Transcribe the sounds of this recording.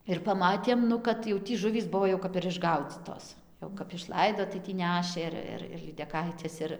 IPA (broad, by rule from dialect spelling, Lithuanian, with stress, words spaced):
ɪr pɐˈmɑːtʲeːm ˈnʊ kɐt jɛʊ ˈtʲiː ˈʒʊʋʲiːs ˈbʊʋoː jɛʊ kɐp ɪr ɪʒˈɡɐʊd͡zʲiːtoːs jɛʊ kɐp ɪʃˈlˠɐɪdoː tɐɪ tʲiː ˈnʲæːʃʲeː ɪr ˈɪr ɪr lʲiːdʲɛˈkɐɪtʲɛs ˈɪr